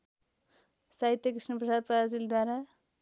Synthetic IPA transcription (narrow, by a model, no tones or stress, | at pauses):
saɦit̪jʌkrisnʌprʌsad̪̚paazild̪ʱwaɾa